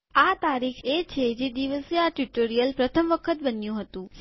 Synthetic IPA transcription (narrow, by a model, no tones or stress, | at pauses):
at̪aɾikʰet͡ʃʰed͡ʒed̪iʋəseaʈjuʈoɾijəlpɾət̪ʰəmʋəkʰət̪̚bənjũɦət̪ũ